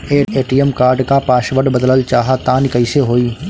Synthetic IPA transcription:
eːeːʈiəmkaːɾɖkapaːʃʋəɖbəd̪ələlt͡ʃaːɦat̪aːnɪkəiseɦoːiː

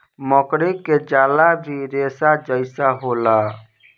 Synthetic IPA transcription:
məkɾikːed͡ʒalabʱiɾesad͡ʒəɪsaɦola

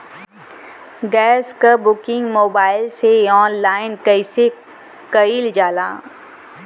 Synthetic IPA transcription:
ɡɛːskabʊkɪ̃ŋɡmoːbaːɪlseɔːnlaːɪnkəɪse | kəild͡ʒaːla̰ː

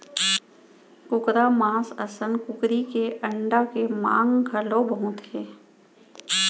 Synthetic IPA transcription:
kʊkɾamãːsəsənkʊkɾikeʔəɳɖakemã̰ːŋɡɡʰʱəlõbəɦũːt̪ɦɛː

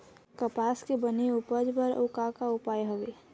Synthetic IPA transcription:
kəpaːskebəniupəd͡ʒbəɾʊkakaʊpaːjɦoʋe

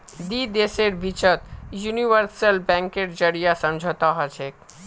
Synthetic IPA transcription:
d̪id̪eseɾbit͡ʃət̪juniʋəɾsəlbɛ̃ŋkeɾd͡ʒəɾijasəmd͡ʒʱət̪aɦɔt͡ʃʰek

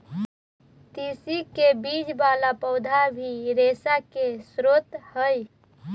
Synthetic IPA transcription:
t̪isikebid͡ʒbalapəʊd̪ʱabʱiɾesakesɾot̪həj

